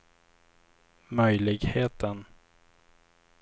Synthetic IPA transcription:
mœjlɪɡheːt̪ʰən

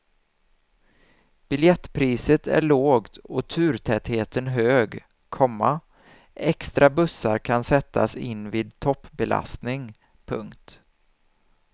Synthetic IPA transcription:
b̥ɪljɛt̪ːpʰɾiːsət̪ʰæ̰ɭoːɡt̪ɔt̪ʰʉ̟ːɾt̪ʰɛt̪heːt̪ənɦøːɡ | kʰɔmːa | ɛkst̪ɾabɵsːaɾkʰansɛt̪ʰːa̰sɪnːviːd̪̚t̪ʰɔpːbɛla̰st̪nɪŋ | pʰɵ̰ŋkt̪

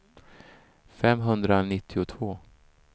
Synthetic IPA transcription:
fɛmːɦɵnd̪ɾanɪt̪ʰːɪʊt̪ʰvoː

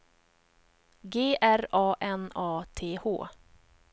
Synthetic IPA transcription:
ɡeːʔæɾɑːʔɛnɑːt̪ʰeːho̰ː

